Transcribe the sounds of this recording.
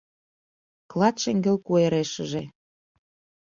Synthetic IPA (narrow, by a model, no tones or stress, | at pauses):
klˠɑt̪ʃeŋɡĕlkueɾeʃə̆ʒe